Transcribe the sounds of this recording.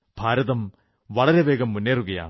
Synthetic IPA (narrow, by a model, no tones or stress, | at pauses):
b̥ʱaːɾɐðɐm | ʋɐɭɐɾeʋeːɡɐmːunːeːruɣɐja̰ː